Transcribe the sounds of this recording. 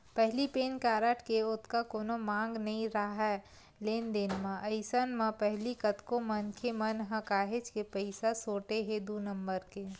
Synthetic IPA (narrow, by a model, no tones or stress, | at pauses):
pɛɦlipeːnkaːɾəʈʰkeʊt̪ʰkakoːnomãːŋɡnɐɦĩɾaɦɛ | leːnd̪ɪnmãʔəɪsənmãpɛɦlikət̪kõmənkʰemɐnɦɐ̃kaːɦed͡ʒkepəɪsasoːʈeɦed̪unə̃mbəɾkeː